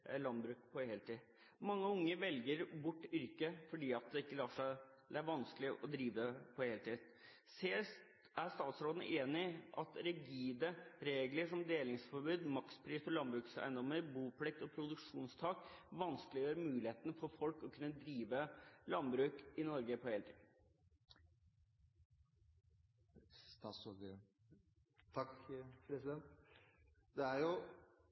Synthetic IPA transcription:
lɑnbɾʉːkpʰɔheːlt̪iː | mɑŋːəʊŋːəʋɛlɡəɾbʊʈːʏɾkəfɔɖiːɑt̪̚d̪ɛɪkːəlɑːʂæɪ | d̪ɛæɾʋɑnsklɪʔɔd̪ɾiːʋəpʰɔheːlət̪ʰiːd̪ | seː | æst̪ɑːt̪sɾoːd̪nə̰ʔeːnɪʔɑt̪ɾɪɡiːd̪əɾeːɡləʂɔmd̪eːlɪŋsfɔɾbʉːd̪mɑkspʰɾiːsɔlɑnbɾʉːksæ̰ɪənd̪ɔmːəɾbuːpʰlɛk̚t̪ɔpʰɾʊd̪ʉkʂuːnst̪ʰɑːkʋɑnsklɪjøːɾəmʉːlɪheːt̪nfɔɾfɔlkɔkʰʉnːəd̪ɾiːʋəlɑnbɾʉːkɪnɔɾɡəpʰɔheːlət̪ʰḭːd̪n̩ | t̪ɑso | t̪ʰɑkpʰɾɛsɪd̪ɛnt̪ | d̪ɛæɾjʊ

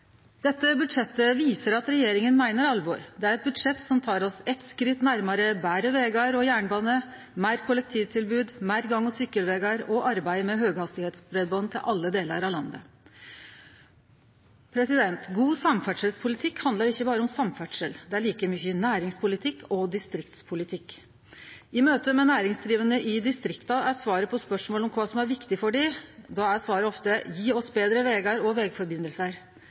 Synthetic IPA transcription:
d̪̥ɛt̪ːəbʉd̪ʂɛt̪ːəʋiːsəɾɑt̪ɾɛjeːɾɪŋənmæɪnəɾɑlʋɔ̰ɾd̪ɛæɾɛt̪̚bʉd̪ʂɛt̪ːsɔmt̪ʰɑːɾɔsɛt̪skɾɪt̪næɾmɑɾəbæːɾəʋeːɡɑəɾɔjæːɳbɑːnə | mæɪɾkʰʊlɛk̚t̪ʰiːʋt̪ʰɪlbʉːd̪mæːɾɡɑŋːɔsʏkːəlʋeːɡɑɾɔʔɑɾbæɪmɛɦøːɡhɑst̪ɪheːt̪sbɾɛd̪̚bɑːnt̪ʰɪ̰lʔɑlːəd̪eːlə̰ɾɑʋlɑnd̪ə̰ | pʰɾɛsɪd̪ɛnt̪ɡuːsɑmfæʈʂəlspʰʊlɪt̪ʰɪkhɑnd̪əɾɪçːəbɑːɾəɔmsɑmfæʈʂəld̪ɛæɭiːkəmʏçənæːɾɪŋspʰʊlɪt̪ʰɪkːɔd̪ɪst̪ɾɪkt̪spʰʊlɪt̪ʰɪkː | ɪmøːt̪əmɛnæːɾɪŋsd̪ɾiːʋənəʔɪd̪ɪst̪ɾɪkt̪ɑæsʋɑːɾəpʰɔspœʂmoːlɔmkʰʋɑːsɔmæɾʋɪkt̪ɪfɔɖɪd̪ɑæsʋɑːɾəɔft̪əjiːɔsbeːd̪ɾəʋɛːɡɑɾɔʋɛːɡfɔɾbɪnəlsəɾ

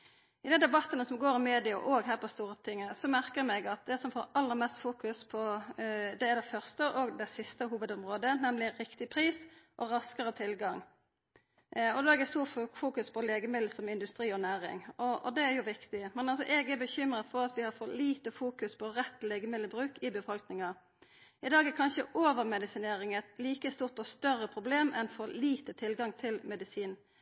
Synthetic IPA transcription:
ɪd̪ɛnd̪ɛbɑt̪ːənəsɔmɡoːɾɪmeːd̪ɪɑ̰ʔoːɡɦæːɾpʰɔst̪uːɾət̪ʰɪŋːəsɔmæɾkəɾmɛɡɑt̪̚d̪ɛsɔmfoːɑlːəɾmɛst̪fuːkʉspʰɔ | d̪ɛæɾd̪ɛfœʁst̪əʔoɡd̪ɛsɪst̪əɦuːʋəd̪ɔmʁoːd̪ənɛmlɪɾɪkt̪ɪpʰɾiːsʔɔɾɑskəɾət̪ʰɪlɡɑŋ | ɔd̪oːæɾd̪ɛst̪uːʁfuːkʉspʰɔleːɡəmɪd̪l̩sɔmɪnd̪ʉst̪ɾiːɔnæːɾɪ̰ŋɔɔd̪ɛæɾjʊʋɪkt̪ɪmɛnɑlsɔʔɛɡɛbəçʏmʁəfɔʁɑt̪ʋɪhɑfɔliːt̪əfuːkʉspʰɔʁɛt̪ːlɛːɡəmɪd̪l̩bɾʉːkɪbəfɔlknɪŋɑ | ɪd̪ɑːɡɛkʰɑnʃəʔoːʋəʁmɛd̪ɪsɪneːɾɪŋɛt̪liːkəst̪uːʁt̪ɔst̪œʁːəpʰʁʊbleːmɛnfɔliːt̪ət̪ʰɪlɡɑŋt̪ʰɪlmɛd̪ɪsiːn

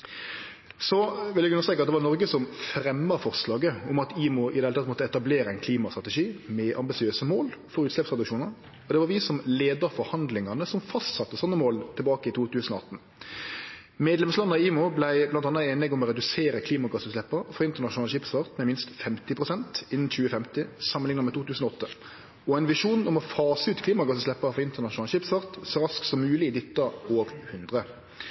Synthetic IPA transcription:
sɔʋɪljæɡʉnəst̪ːkɑt̪d̪ɛʋɑʁnɔɾɡəsɔmfɾɛmːəɾfɔʁslɑːɡəʊmɑt̪iːmʊʔɪd̪ɛhɛlʰɑt̪ːmɔt̪əɛt̪ɑbleːɾəæɪnkʰliːmɑst̪ʁɑt̪ɛʂiːmɛʔɑmbɪsɪøːsəmoːlfɔɾʉːt̪lɛpsʁɛd̪ʉkʂuːnəʁ | ɔd̪ɛʋɑʁʋɪsɔmleːd̪əɾfɔɾhɑnd̪lɪŋɑnəsɔmfɑst̪sɑt̪ːəsɑnːəmoːlt̪ʰɪlbɑːkəɪt̪ʰuːt̪ʉːsənɔɑt̪ːn̩ | meːd̪lɛmslɑnːɑiːmʊblæɪblɑnt̪ɑnːɑeːnɪɡɔmɔɾɛd̪ʉseːɾəkʰliːmɑɡɑsəslɛpːɑʁfɔɾɪnt̪əʁnɑʂʊnɑːləʃɪpsʋɑʁt̪mɛmɪnst̪fɛmt̪ɪpʰʁʊsɛnt̪ɪnːn̩t͡ɕʉːəfɛmt̪ɪsɑmːənɪŋnəmɛt̪ʰuːt̪ʰʉːsnɔɔt̪ːə | ɔæɪnʋɪʂuːnɔmɔfɑːsəʉːt̪kʰliːmɑɡɑsəslɛpːɑʁəfɔɾɪnt̪əʁnɑʃnɑːləʃɪpsfɑʁt̪sɔɾɑsk̪sɔmːʉːlɪɪd̪ɪt̪ːɑoːɡhʉnd̪ʁə

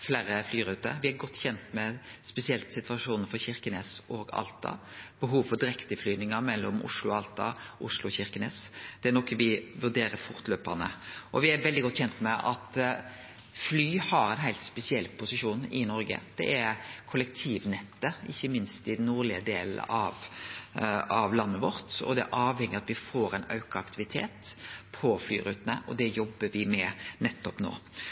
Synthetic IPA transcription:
fleːɾəflyːɾʉːt̪ə̰ɾʋɪæɾɡɔt̪ːçɛnt̪mɛspɛsɪɛlt̪sɪt̪ʋɑʂuːnəfɔçɪɾkəneːsɔːɡɑ̰lt̪ɑ̰b̥əɦuːʋfɔd̪ɪɾɛkt̪əflyːnɪŋəmɛlːɔmʔʊ̰ʂlʊɑlt̪ɑʔʊ̰ʂlʊɔçɪʁkəneːsd̪̥ɛænɔkːəʋɪʋʉɾd̪eːɾəfʊɾt̪løːpɑnə̰ʔɔʋɪæɾʋɛld̪ɪɡɔt̪ːçɛnt̪mɛʔɑt̪ | flyːhɑɾɛɪnɦæɪt̪spɛsɪɛlːpʰʊsɪʃuːnɪnɔɾɡə̰d̪̥ɛ̰ʔæɾkʰʊləkt̪ʰiːʋnɛt̪ːəɪçːəmɪnst̪ɪd̪nːuːɾlɪəd̪eːlɑʋ | ɑʋlɑnːəʋɔɾt̪ɔ̰d̪ɛæ̰ɾʔɑːʋhɛŋːəɑt̪ʋɪfoːɾɛɪnɑ̰ʉkəɑkt̪ɪʋɪt̪ʰḛːt̪pʰɔfly̰ːɾʉ̰ːt̪ənəʔɔd̪ɛjɔbːəʋɪmɛnɛt̪ːɔpno̰ː

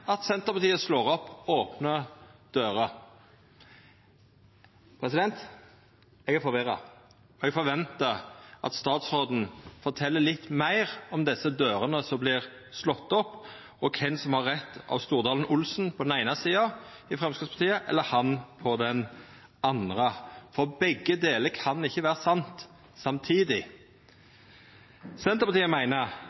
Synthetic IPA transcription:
ɑt̪sɛnt̪əɾpɑt̪iːəsloːʁɔpːoːpnəd̪̥øːɾə | pʰɾɛsɪd̪ɛnt̪ | ɛɡæfɔɾʋɪɾɑ̰ | ɔɛɡfɔɾʋɛnt̪əʔɑ̰t̪st̪ɑːt̪sɾoːd̪n̩fɔɾt̪ʰɛlːəlɪt̪ːmæɪʁɔmd̪ɛsːəd̪øːɾənəsɔmblɪʁ | slɔt̪ːɔpː | ɔkʰɛnsɔmhɑɾːɛt̪ːɑ̰ʋst̪uːɾd̪ɑːln̩ʊlsn̩pʰɔd̪ɛnæɪnɑsiːɑ | ɪfɾɛmskɪspʰɑt̪ʰiːəʔɛ̰lːəhɑnpʰɔd̪ɛn | ɑnd̪ɾəfɔɾbɛɡːəd̪eːləkʰɑnɪçːəʋæːɾəsɑnt̪ | sɑmt̪ʰiːd̪ɪ | sɛnt̪əɾpɑt̪ːəmæɪnə

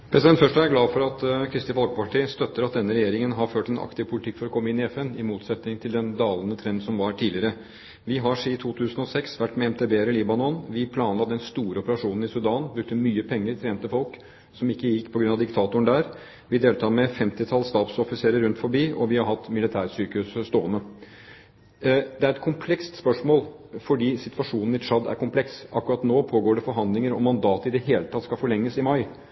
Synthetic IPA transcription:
pʰɾɛsɪd̪ɛnt̪fœʂʈɑæɾɡlɑːʋfɔɾɑt̪kʰɾɪst̪ɪʋɔlɡəpɑʈʰiːəst̪œt̪ːəɾɑt̪̚d̪ɛnːəɾɛjeːɾɪŋənɦɑɾføːʈɛnʔɑ̰kt̪ɪʋpʰʊlɪt̪ʰɪkːfɔɾɔkʰɔmːəɪnːɪɛfɛnɪmuːt̪sɛt̪nɪŋt̪ʰɪld̪ɛnd̪ɑːlənət̪ʰɾɛnd̪sɔmʋɑɾʈʰiːlɪəɾə | ʋɪɦɑʂit̪ʰuːt̪ʰʉːsən̩ɔsɛksʋæʈːmɛɛmt̪ʰeːbeːɾɪliːbɑnɔnʋɪpʰlɑːnlɑt̪ːɛnst̪uːɾəɔpəɾɑʂuːnn̩ɪsʉd̪ɑːnbɾʉkt̪əmyːəpʰɛŋːəɾt̪ʰɾeːmt̪əfɔlk | sɔmɪkːəjɪkːpʰɔɡɾʉnɑʋd̪ɪkt̪ʰɑːt̪ʊəɳd̪æːɾ | ʋɪd̪eːlt̪ʰɑːmɛfɛmt̪ɪt̪ʰɑlst̪ɑːt̪sɔfɪseːɾəɾʉnt̪fɔɾbiːʔɔʋɪhɑɾɦɑt̪ːmɪlɪt̪ʰæːɾsyːkəhʉsst̪o̰ːənə | d̪ɛæɾɛt̪̚kʰʊmpʰlɛkst̪spœʂmoːl | fɔɖiːsɪt̪ʋɑʂuːnn̩ɪʂɑd̪æ̰ɾkʊmpʰlɛksɑkːʉɾɑt̪noːpʰoːɡoːɖɛfɔɾɦɑnd̪lɪŋəɾɔ̰mːɑnd̪ɑːt̪əɪd̪ɛɦeːlət̪ʰɑt̪ːskɑfɔɭɛŋːəsɪmɑɪ

